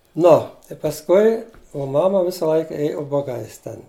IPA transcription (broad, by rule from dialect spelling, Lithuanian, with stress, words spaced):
ˈnoː ɪ pɐsˈkʊɪ oː ˈmɑːmɐ ˈʋʲɪsɐ ˈlˠɐɪkɐ ˈeːjʊ ʊbɐˈɡɐɪs ˈtʲɛn